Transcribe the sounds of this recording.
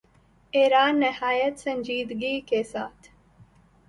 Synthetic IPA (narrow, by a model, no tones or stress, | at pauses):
eːɾaːnːɪhaːjət̪sɐ̃ɲd͡ʒiːd̪ɡikesaːt̪ʰ